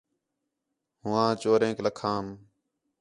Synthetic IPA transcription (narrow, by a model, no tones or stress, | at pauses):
hʊːãːt͡ʃoːɾẽːkləkʰãːm